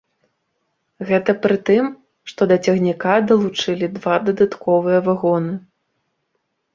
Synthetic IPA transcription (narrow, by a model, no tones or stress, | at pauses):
ɣɛt̪ɐpɾɨt̪ɨm | ʂt̪ɔd̪ɐt͡sʲɐɣnʲikad̪ɐlˠut͡ʂɨlʲid̪vad̪ɐd̪at̪kʰɔvɨjɐvaɣɔnɨ